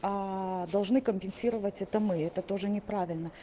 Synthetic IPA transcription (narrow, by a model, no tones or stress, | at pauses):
ad̪ɐlˠʐnɨkəmʲpʲɪnsʲiɾəvətʲɛt̪əmɨɛt̪ət̪o̞ʐɨnʲɪpɾavʲɪlʲnə